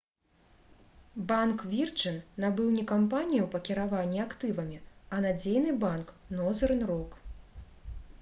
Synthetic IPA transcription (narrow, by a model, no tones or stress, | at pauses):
bankvʲirt͡ʂɨnːabɨwnʲɛkampanʲijɐwpɐkʲiɾavanʲːiakt̪ɨvɐmʲiɐnad͡zʲejnɨbank | nɔzɐɾɨnrɔk